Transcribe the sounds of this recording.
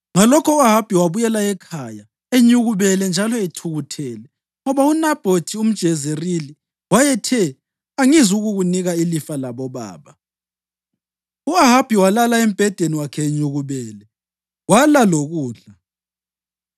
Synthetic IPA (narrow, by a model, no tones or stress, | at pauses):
ŋalɔkʰɔuaɦab̥ʱiwaβujɛlaɛkʰaja | eɲuɣuβɛlɛnd͡ʒʱalɔetʰuɣutʰɛːlɛ | ŋɔβaunab̥ʱotʰium̩d̥ʒ̥ʱɛzerili | wajɛtʰɛ | aŋizuɣuɣuniɣailifalaβɔβa̰ːβa | uaɦab̥ʱiwalalaɛm̩b̥ʱɛd̥ʱeniwakʰɛːɲuɣuβɛːlɛ | walaloɣuːɮa